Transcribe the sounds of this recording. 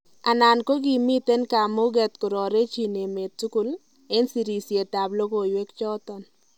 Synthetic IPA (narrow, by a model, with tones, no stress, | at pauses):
a˨na˨nko˦ɡi˦mi˦t̪e˦nka˨mʊ˦ɡɛ˨t̪̚kʊ˨ɾɔ˨ɾe˦t͡ʃi˨ne˨me˨t̚su˦ku˦l | e˦nsi˨ɾi˨sje˨ta˨blo˦ko˨jwe˦kt͡ʃɔ˦t̪ɔ˨n